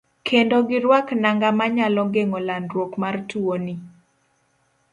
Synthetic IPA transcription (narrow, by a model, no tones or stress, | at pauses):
kʰendoɡɪɾwaknaŋɡamaɲalɔɡeŋolandɾwokmartuoni